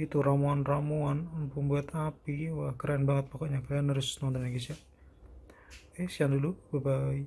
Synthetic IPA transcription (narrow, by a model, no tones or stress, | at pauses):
it̪uɾamuanramuanpumbuat̪apiwahkəɾaanbaŋət̪̚pɔkɔʔɲakajanəɾʊsnɔnt̪ɔnɲaɡisaʔ | esiandulub̥abai